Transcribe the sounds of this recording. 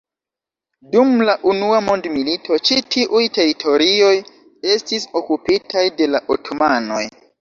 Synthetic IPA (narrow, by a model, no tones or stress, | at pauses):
dumlaʔunuamo̞ndmilitʰo̞t͡ʃitʰiʔujte̞ɾitʰo̞ɾio̞j | e̞stiso̞kupitʰajde̞laʔotʰo̞mano̞̰j